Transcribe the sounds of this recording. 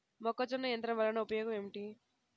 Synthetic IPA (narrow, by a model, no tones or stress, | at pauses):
mɔkːɐt͡ʃɔnːɐjɐnt̪ɾɐmʋɐlːɐnɐupɐjɔːɡɐmemiʈi